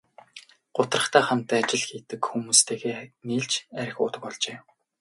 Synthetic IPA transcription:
ɢ̥ʊt̪rə̆χt̪æːχam̥t̪æːt͡ɕɪ̆ɮxiːt̪ɘ̆kxumuːst̪ʰeːɣeːniːɮt͡ɕæɾʲɪ̆xʊ̰ːt̪ə̆k̚pɔɮt͡ɕeː

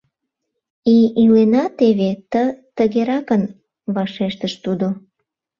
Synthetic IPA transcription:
iylenɑt̪eβet̪ət̪əɣeɾɑkən | βɑʃeʃt̪əʃt̪ud̪o

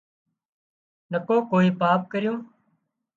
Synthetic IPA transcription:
nəkoːkoːiːpaːp̚kəɾɪjõː

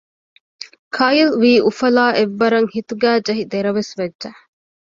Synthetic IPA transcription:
kʰɐjilʋiːʔufɐlaːʔeʋːɐɾɐŋhit̪uɡæːd͡ʒɐɦid̪eɾɐʋesʋɐdːʒɐ

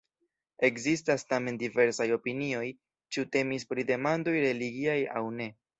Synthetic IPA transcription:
e̞kzistastame̞ndive̞ɾsajo̞pinio̞j | t͡ʃiute̞mispɾide̞mando̞jɾe̞liɡiaja̰wne̞

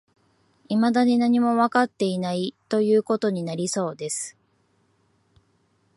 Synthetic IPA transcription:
imad̪aɲ̟inaɲ̟imo̞βakat̪ːe̞inait̪o̞jɯ̟ːko̞t̪o̞ɲ̟inaɾʲiso̞ːd̪e̞sɨ̥

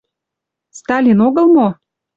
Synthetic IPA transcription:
st̪ɑlʲinoɣə̆lmo

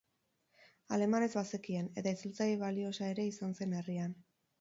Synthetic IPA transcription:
a̰ɾe̞mane̞zβasekie̞ne̞t̪ait͡sult͡sajiβalio̞sae̞ɾe̞isanse̞ne̞rian

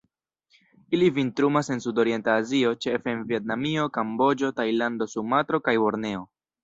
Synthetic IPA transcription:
ilivintɾumase̞nsudo̞ɾie̞ntaːzio̞t͡ʃe̞feːnvie̞t̚namio̞kambo̞d͡ʒo̞tajlando̞sumatɾo̞kajo̞ɾne̞o̞

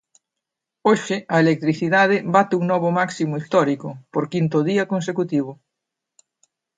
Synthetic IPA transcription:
oʃɪɐelek̚t̪ɾiθiðað̞ebat̪euŋnɔβ̞omaksimoist̪ɔɾikopoɾkint̪oðiɐkõns̬ekut̪iβ̞o

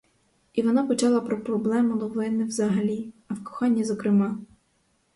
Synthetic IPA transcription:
iʋɔnɑpɔt͡ʃɑlˠɐpɾɔpɾɔblˠɛmʊlˠɔʋlˠɪnɪwzɐɦɐlʲiɐwkɔ̥xɑnʲːɐzɔkɾɪmɑ

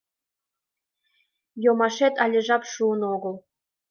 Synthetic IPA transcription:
jomɑʃet̪ɑlʲɘ̆ʒɑpʃuɤ̆noɡɤ̆lˠ

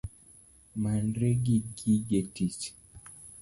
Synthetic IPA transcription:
manɾeɡiɡiɡetit͡ʃ

